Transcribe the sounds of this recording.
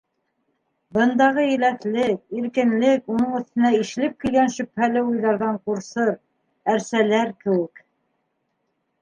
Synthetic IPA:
bɤ̆nd̪ɑʁɤɘ̆læθlɘk̚iɾkɘ̆nlɘkunɤɴɵ̆θt̪ɘ̆næiʃ̆lɘp̚kilɡænʃɵ̆phælɘujðɑɾðɑɴquɾsɤɾ | æɾsælæɾkɘ̆wɘk

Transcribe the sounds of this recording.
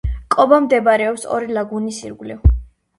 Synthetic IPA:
kʼɔbamd̪ɛbaɾɛɔpsɔ̰ɾilˠaɡunisḭɾɡliv

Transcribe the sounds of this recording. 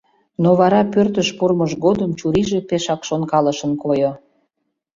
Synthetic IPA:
noβɑɾɑpørt̪əʃpurməʃɡod̪əmt͡ɕuɾiʒepeʃɑkʃonkɑləʃənkojo

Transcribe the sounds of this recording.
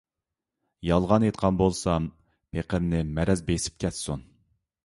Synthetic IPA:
jɑlˠʁɑnet̪̚qʰɑnbolˠsɑm | pʰeqʰəmnɪmɛɾɛzbesɪ̥p̚kʲʰɛt̪sun

